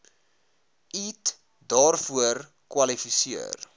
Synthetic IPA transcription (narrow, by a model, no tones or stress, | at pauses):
it | dɑːrfuər | kwɐlifisiər